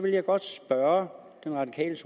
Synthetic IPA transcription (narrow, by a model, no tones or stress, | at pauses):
ʋe̝ljɑ̈ɪɡ̥ɒ̽d̥sb̥ɶɐ | d̥enʁɑ̈d̥ikʰɛ̰ːləsʰ